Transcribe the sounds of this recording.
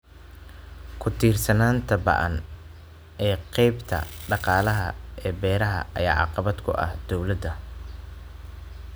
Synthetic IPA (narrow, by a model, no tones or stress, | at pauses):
kʰʊt̪ʰiːrsɐnaːnt̪ʰɐbɑ̰ʔɐ̰n | ɛːqɛjbt̪ʰɐ̰ɖɑqɑːlɐɦɐ̰ʔɛːbɛːɾɐɦɐ̰ʔɐ̰jaːʕɑ̰qɑβɐd̪kʰʊ̰ʔɐ̰hd̪̥ɔwlɐd̪ɐ